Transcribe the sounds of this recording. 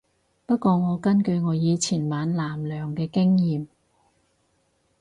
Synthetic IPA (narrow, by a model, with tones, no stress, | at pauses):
pɐ˥t̚kɔː˧ŋɔː˨˧kɐ˥nkɵ˧ɥŋɔː˨˧jiː˨˧t͡sʰiː˨˩nmaː˨˧nlaː˨˩mlœː˨˩ŋkɛː˧kɪ˥ŋjiː˨m